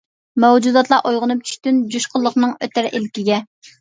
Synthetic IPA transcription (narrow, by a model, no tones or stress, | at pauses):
mɛwd͡ʒud̪ɑt̪lˠɑʔojʁənup̚t͡ʃʰy̥ʃt̪ynd͡ʒuʃqəlˠːəχnɨŋøt̪æɾʔḛlkʲiɡʲɛ